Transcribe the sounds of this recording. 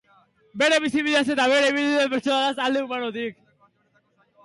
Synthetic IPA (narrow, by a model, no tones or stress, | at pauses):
be̞ɾe̞βisiβiðease̞t̪aβeɾeiβild̪iðepeɾt͡ʃonaðasald̪eumanot̪ik